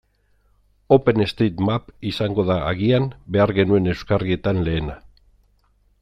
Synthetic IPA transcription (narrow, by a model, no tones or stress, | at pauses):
o̞pe̞ne̞st̪et̪mapisaŋɡo̞ðaːɣianbe̞aɾɣe̞nue̞ne̞wskarie̞t̪anle̞ːna